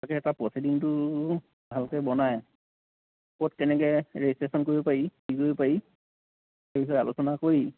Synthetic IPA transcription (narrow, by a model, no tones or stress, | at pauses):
kɛːtapɹɔsidintʊ | bʱalkɛbɔnaj | kotkɛnɛkɛɹɛstɹesɔnkoɹibɔpaɹikikoɹibɔpai | ebisɔa̰lusɔnakoɹi